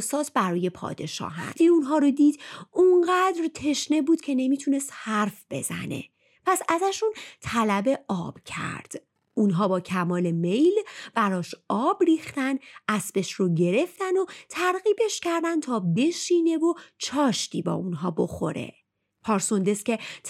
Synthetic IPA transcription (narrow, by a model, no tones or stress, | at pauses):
sɒːt̪ʰbæɾɒːje̞pʰɒ̰ːd̪e̞ʃɒ̰ːɦæ̰eunɦɒːɾod̪iːd̪uɴɢæd̪ɾt̪ʰe̞ʃne̞buːd̪̥̚cʲʰe̞ne̞miːt̪ʰune̞st̪hæɾfb̥e̞̰zæ̰ne̞̰ | pʰæsæzæʃunt̪ʰælæbe̞ɒːb̥cʰæ̰ɾd̪̥ | unɦɒːbɒːcʰæmɒːle̞me̞jlb̥æɾɒːʃɒːbriːxt̪ænʔæsbe̞ʃɾoɟe̞ɾe̞ft̪æno̞t̪ʰæɾɣiːbe̞ʃcæɾd̪æn̚t̪ʰɒːbe̞ʃiːne̞vot͡ʃʰɒːʃt̪ʰiːbɒ̰ːunɦɒːbo̞̰xo̞̰ɾe̞̰ | pʰɒːɾso̞nd̪e̞scʲe̞